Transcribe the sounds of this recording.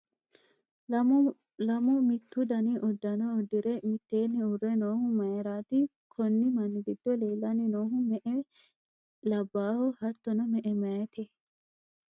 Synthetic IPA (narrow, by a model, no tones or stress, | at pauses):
lɐmʊmɪt̪ːud̪ɐniʔɔd̪ːɐnɔːd̪ːiɾemɪt̪ːeːnːiʊrːɛnoːhʊmɐjɐɾaːt̪i | kʰɔnːimɐnɡid̪ːɔleːlːaninoːɦʊmɛʔɛ | lɐbːaːhɔhɐt̪ːɔnɐmɛʔɛmɐt̪ʰe